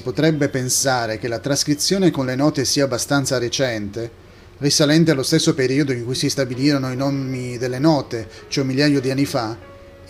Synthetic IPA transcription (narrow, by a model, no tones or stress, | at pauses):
ipot̪ɾɛbːepensaːɾek̟elat̪ɾaskɾit̪sːjoːnekonlenɔːt̪esiːaːbːast̪ant̪saɾet͡ʃɛnt̪e | risalɛnt̪̬ealːost̪esːopeɾiːod̪oiŋkujsist̪abiliːɾonoinomːid̪elːenɔːt̪e | t͡ʃoɛmːiljajod̪ianːifa